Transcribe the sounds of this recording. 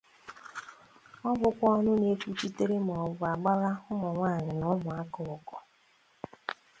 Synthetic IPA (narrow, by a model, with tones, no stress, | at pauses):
ɔ˦bʊ˨kʷɔ˦ɔ˦nʊ˦ne˦fu˦t͡ʃi˦te˦ɾe˦m˨ɔ˨vʊ˨a˨ɡ͡ba˦ɣa˦ʊ˦mʊ˨ŋʷaː˦˨ɲɪ˨nɔ˦mʊ˨a˦kɔ˨ʊ˨kɔ˨